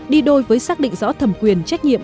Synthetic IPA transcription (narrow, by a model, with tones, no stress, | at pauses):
ɗi˧ɗo˧jvəː˨˦jsaː˦˥k̚ɗḭ˧˨ŋ̟zɔ̰˧˥t̪ʰə˨˧˩mkwi˨˩ənt͡ɕa˦˥k̟̚ɲḭ˧˨əm